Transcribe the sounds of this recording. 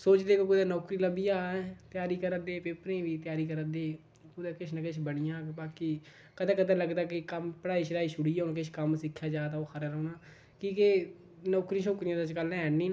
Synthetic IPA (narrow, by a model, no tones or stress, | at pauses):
soːt͡ʃd̪eːkokʊd̪ẽːnɔːkɾiːləbiːaːɛt̪jaːɾiːkəɾəd̪eːpepɾẽːʋiːt̪ɪjaːɾiːkəɾəd̪eː | kʊd̪eːkɪʃʰnəkɪʃʰbəɽijãːbaːkiː | kəd̪ɛ̃ːkəd̪ɛ̃ːləɡd̪aːkɪkəmpəɽaːiːʃəɾaːiːʃʊɽiːaːnːkɪʃʰkəmsɪkʰːjaːd͡ʒaːt̪aoːxʰəɾəːɾoːnaː | kiːke | nɔːkɾĩːʃoːkɾijãːd̪at͡ʃkəlɛːnːĩːn